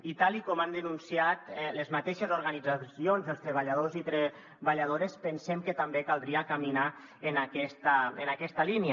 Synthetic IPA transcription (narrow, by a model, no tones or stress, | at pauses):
it̪alˠikɔmand̪ənunsiat̪ləzmat̪eʃezuɾɣanid͡zasionzəlˠst̪ɾəβ̞aʎað̞ozit̪ɾe | βaʎað̞oɾespənsɛmkət̪ambekalˠd̪ɾiakamina | ənakɛst̪əənakɛst̪alinia